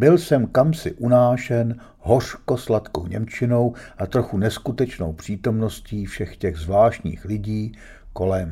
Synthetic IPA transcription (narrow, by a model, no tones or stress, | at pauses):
bɪlsɛmkamsɪʔunaːʃɛn | ɦo̞r̝̥ko̞slat̪kowɲɛ̰mt͡ʃɪno̞wʔat̪ɾo̞xunɛskut̪ɛt͡ʃno̰wpr̝̥iːt̪o̞mno̞sciːfʃɛxcɛɣzvlaːʃɲḭːxlɪɟiː | ko̞lɛm